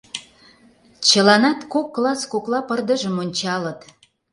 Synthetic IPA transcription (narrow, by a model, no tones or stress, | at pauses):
t͡ɕə̆lɑnɑt̪kokːlɑskoklˠɑpərd̪əʒəmonʲt͡ɕɑlət̪